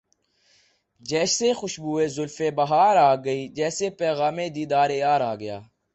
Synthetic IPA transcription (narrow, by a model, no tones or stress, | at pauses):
d͡ʒɛːʃseːxʊʃbuːeːzʊlfeːbəɦaːɾaːɡəiːd͡ʒɛːseːpɛːɣaːmẽːd̪iːd̪aːɾeːaːɾaːɡəja̰ː